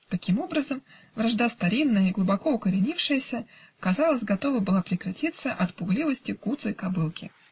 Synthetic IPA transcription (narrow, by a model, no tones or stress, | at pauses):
t̪ɐkʲimo̞bɾəzəm | vɾɐʐd̪ast̪ɐɾʲinːəjəiɡlˠʊbɐko̞ʊkəɾʲɪnʲifʂɨjəsʲəkɐzɑlˠəzʲɡɐt̪o̞vəbɨlˠapɾʲɪkɾɐtʲit̪sːəʔɐt̪pʊɡlʲivəsʲtʲɪkut̪sɨkɐbɨlˠkʲɪ